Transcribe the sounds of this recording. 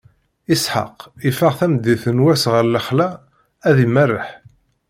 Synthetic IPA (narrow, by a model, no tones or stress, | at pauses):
isħa̰qifəʁθæmd̪iθənwæsʁəɾləχlæ | æðimərːəħ